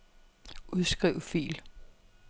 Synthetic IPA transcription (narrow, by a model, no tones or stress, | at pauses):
ʔuðˠsɡ̥ʁiʊfḭːl